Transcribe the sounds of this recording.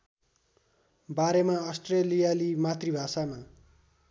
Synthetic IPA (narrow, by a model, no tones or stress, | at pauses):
baɾemaʌsʈrelijalimat̪ribʱasama